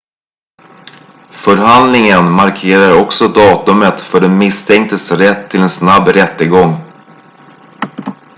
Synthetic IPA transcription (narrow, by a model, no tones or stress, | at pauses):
fœɾɦand̪lɪŋənmaɾkʰeːɾaɾɔksɔd̪ɑːt̪ɵmət̪fœɖɛmɪst̪ʰɛŋk̚t̪əsɾɛt̪ʰːɪlɛnsnabːɾɛt̪ːəɡɔŋː